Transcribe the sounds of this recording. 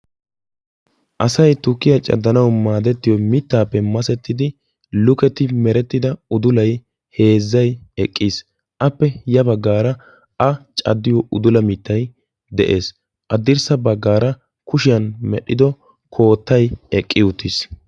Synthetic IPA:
ʔɐsɐjt̪ʊkːɪjɐt͡ʃʼɐ̰d̪ːɐnɐwmaːd̪ɛt̪ːɪjɔmɪt̪ːaːpːɛmɐsɛt̪ːɪd̪ɪ | lʊkɛt̪ɪmɛɾɛt̪ːɪd̪ɐʊd̪ʊlɐj | he̞ːzːɐjɛkʼːis | ʔɐpːɛjɐbɐɡːaːɾɐ | ɐt͡ʃʼɐ̰d̪ːɪjɔʔʊd̪ʊlɐmɪt̪ːɐj | d̪ɛʔe̞ːs | ʔɐd̪ɪɾsɐbɐɡːaːɾɐ | kʊʃɪjɐnmɛɗːɪd̪ɔ | kʰo̞ːt̪ːɐjɛkʼːɪjʊt̪ːɪs

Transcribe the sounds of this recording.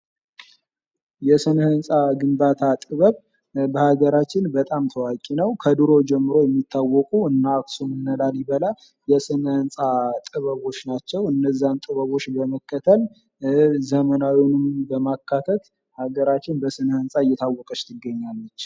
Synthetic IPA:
jɛsɨnhɨnsʼaɡɨmbat̪ʰat̪ʼɨβəβ | bəhaɡəɾat͡ʃːɪnbət̪ʼamt̪ʰəwakʼinəwkʰəd̪ɨɾo̞d͡ʒɛmːɨɾo̞jɛmːit̪ʰːawːɔkʼuɨnːaːksumɨnːəlaljɪβəla | jɛsɨnhɨnsʼat̪ʼɨβəβo̞t͡ʃːnat͡ʃːɛwɨnːəzːant̪ʼɨβəβo̞t͡ʃːbəməkːət̪ʰəl | zəmənawinɨmbəmakːat̪ʰət̪ | haɡəɾat͡ʃːɪnbəsɨnəhɨnsʼaɨjːɛt̪ʰawːɔkʼət͡ʃt̪ʰɨɡːəɲːalːət͡ʃː

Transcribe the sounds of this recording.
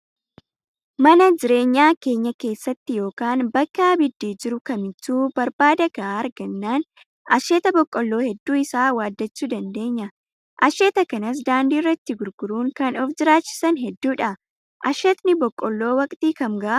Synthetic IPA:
mɐnɐd͡ʒɪɾe̞ːɲːaːke̞ːɲːɐke̞ːsːɐt̪ːɪjo̞ːkaːnbɐkːɐɐbɪd̪ːiːd͡ʒɪɾʊkɐmɪt͡ʃːuːbɐɾbaːd̪ɐɡɐʔaɐɾɡɐnːaːn | ʔɐʃeːt̪ɐbɔkʼːɔlːo̞ːhɛd̪ːuːɪsaːwaːd̪ːɐt͡ʃːuːd̪ɐnd̪e̞ːɲːɐ | ʔɐʃeːt̪ɐkɐnɐs̬d̪aːnd̪iːrːɐt̪ːɪɡʊɾɡ̥ʊɾuːŋkɐnɔfd͡ʒɪɾaːt͡ʃːɪ̥sɐnɦɛd̪ːuːᶑɐ | ʔɐʃɛt̪nɪbɔkʼːɔlːo̞ːwɐkʼt̪iːkɐmɡɐʔɐ

